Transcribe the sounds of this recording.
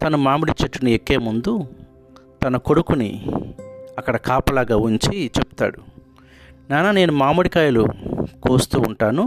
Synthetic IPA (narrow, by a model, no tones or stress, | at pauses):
t̪ɐnumaːmuɽit͡ʃɐʈːuniekːe̞ːmund̪u | t̪ɐnɐko̞ɽukunḭ | ɐkːɐɽɐkaːpɐlaːɡaːuɲt͡ʃit͡ʃepu̥t̪a̰ːɽu | naːnaːne̞ːnumaːmuɽikaːjɐlṵkoːst̪uːɳʈaːnu